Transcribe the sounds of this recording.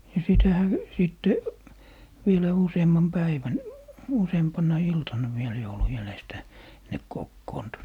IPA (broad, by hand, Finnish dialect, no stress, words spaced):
jɑ sitæhæ siˑtːe ʋielæ useːmːɑm pæiʋæn useːmpɑnˑɑ iltɑnːɑ ʋiel joulu jælestæ ne kokːoːntu